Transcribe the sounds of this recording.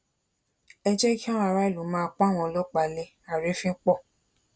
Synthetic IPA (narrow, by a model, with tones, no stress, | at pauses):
ɛ˧d͡ʒɛ˦ki˦a˦w̃ɔ̃˧a˧ɾa˦i˦˨lu˨˦mãː˦˧k͡pa˦˨w̃ɔ̃˧lɔ˦k͡pa˨˧le˧ | a˨ɾe˨˦fĩ˦k͡pɔ˦˨